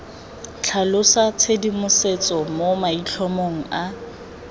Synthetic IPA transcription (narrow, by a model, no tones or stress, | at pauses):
t͡ɬʰalʊsat͡sʰedimʊset͡sʼɔmomait͡ɬʰɔmoŋ̩a